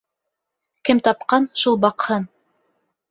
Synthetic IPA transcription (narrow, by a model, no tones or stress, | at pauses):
kɘmt̪ɑpqɑnʃulˠbɑqhɤn